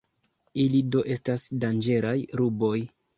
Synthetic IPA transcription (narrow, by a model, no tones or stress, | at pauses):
ilido̞ʔe̞stasdand͡ʒe̞ɾajɾubo̞j